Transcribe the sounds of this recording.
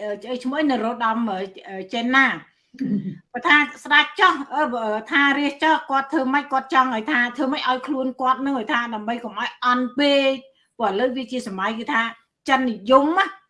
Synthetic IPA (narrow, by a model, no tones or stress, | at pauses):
ʔəːt͡ɕət͡ɕʰmohəjnɨrɔːɗɑməːʔəːt͡ɕɛːnːaː | pat̪ʰaːsɗac̚t͡ɕɑhʔəːʔəːt̪ʰaːriəht͡ɕɑhkŏət̪ʰːʋəːməc̚kŏət̪̚t͡ɕɑŋʔəjt̪ʰaːt̪ʰəːməc̚ʔaɔjkʰluənkŏət̪̚nɨŋəːjt̪ʰaːɗaəmɓəjkomʔaɔjʔɑnpeːc̚ | pʊəʔələwʋiət͡ɕiəsamajkɨːt̪ʰaː | t͡ɕənːijumah